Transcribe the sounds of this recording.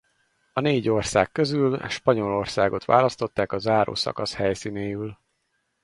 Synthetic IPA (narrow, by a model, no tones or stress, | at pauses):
ɒneːɟo̞rsa̰ːkːø̞zyl̰ʃpɒɲo̞lo̞rsaːɡo̞t̪ʋa̰ːlɒst̪o̞t̪ːaːkɒzaːɾo̰ːsɒ̰kɒshɛjsiːneːjyl